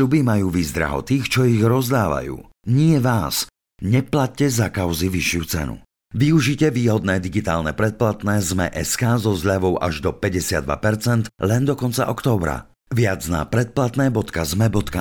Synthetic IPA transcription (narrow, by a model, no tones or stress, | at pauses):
ʎubimajuːʋizd̪ɾa̰ɦɔ̰t̪iːxt͡ʃɔiɣɾɔzd̪aːʋa̰jṵː | ɲɪɛʋaːs | ɲɛplat̚cːɛzakaʊziʋiʃɪut͡sɛ̰nṵ | ʋiuʒicɛʋiːɦɔd̪nɛːd̪iɡit̪aːlnɛpɾɛt̪̚plat̪nɛːzmɛ̰ʔɛskaːzɔzʎaʋɔʊʔa̰ʒd̪ɔpɛɟɛsɪad̪ʋa̰pɛɾt͡sɛnt̪lɛnd̪ɔkɔnt͡sa̰ʔɔkt̪ɔːbɾa̰ | ʋɪad͡zna̰pɾɛt̪̚plat̪nɛːbɔt̪kazmɛbɔt̪ka